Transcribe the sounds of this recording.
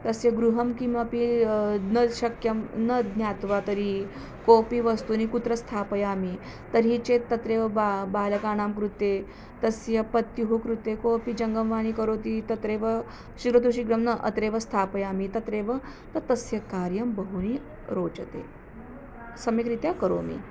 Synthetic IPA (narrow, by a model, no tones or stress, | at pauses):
t̪ɐsjɐɡɾuɦɐmkimɐpinɐɕɐkjɐmnɐd̪njaːt̪ʋat̪ɐɾi | koːpiʋɐst̪unikut̪ɾɐst̪ʰaːpɐjaːmi | t̪ɐɾɦit͡ʃet̪ɐt̪ɾeːʋɐabaːlɐkaːñaːmkɾut̪e | t̪ɐsjɐpɐt̪juɦukɾut̪ekoːpid͡ʒɐŋɡɐmʋaːnikɐɾoːt̪it̪ɐt̪ɾeːʋɐ | ʃiɡɾot̪uʃiɡɾɐmnɐʔɐ̰t̪ɾeːʋɐst̪ʰaːpɐjaːmit̪ɐt̪ɾeːʋɐ | t̪ɐt̪ɐsjɐkaːɾjɐmbɐɦuni | ɾoːt͡ʃɐt̪ḛː | sɐmikɾit̪jakɐɾo̰ːmḭ